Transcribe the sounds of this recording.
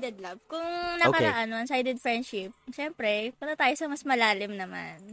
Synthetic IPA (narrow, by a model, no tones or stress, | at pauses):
d̪ɛd̪̚lɐbkʊŋnɐkɐɾɐʔanːoɐŋsajd̪ɛd̪̚fɹɾɛnd̪ʃɪp̚ʃɛmpɾɛpɐt̪ɐt̪aːjosɐmɐsmɐlaːlɪmnɐma̰n